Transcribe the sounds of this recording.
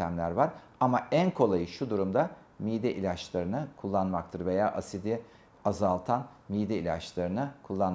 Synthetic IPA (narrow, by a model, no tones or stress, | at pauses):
æmlʲæɾvaɾ | amaænkʰo̞lˠajɯʃud̪uɾumd̪a | miːd̪ɛʔilʲat͡ʃlˠaɾɯnɯkʰulˠːanmak̚t̪ʰɯɾve̞jaːʔasid̪i | azalˠt̪ʰanmijd̪ɛilʲa̰t͡ʃlˠaɾɯnɯkʰulˠːan